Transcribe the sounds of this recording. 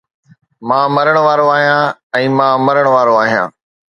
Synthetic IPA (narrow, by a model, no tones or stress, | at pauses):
mãːmɐɾəɽ̃ʋaːɾoaːɦijãːɛ̃ːmãːmɐɾəɽ̃ʋaːɾoaːɦijã̰ː